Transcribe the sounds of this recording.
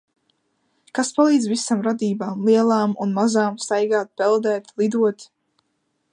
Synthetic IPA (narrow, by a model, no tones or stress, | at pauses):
kaspalˠiːd̪zvisamɾad̪iːbaːmlˠiɛlˠaːmunmazaːmst̪ajɡaːt̪̚pɛlˠd̪ɛːt̪lˠid̪uɔt̪